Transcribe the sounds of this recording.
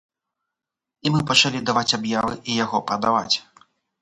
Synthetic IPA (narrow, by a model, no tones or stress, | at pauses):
imɨpɐt͡ʂalʲid̪avat͡sʲabjavɨʔijaɣɔpɾɐd̪ava̰t͡sʲ